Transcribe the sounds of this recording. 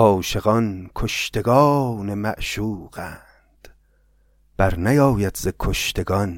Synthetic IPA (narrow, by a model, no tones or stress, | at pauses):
ɒːʃeɣɒnkʰoʃt̪ʰe̞ɡɒːnemæ̰ʔʃuːɢæː | nd̪̥ | b̥æɾnæjɒːjæd̪zekʰoʃt̪ʰe̞ɡɒn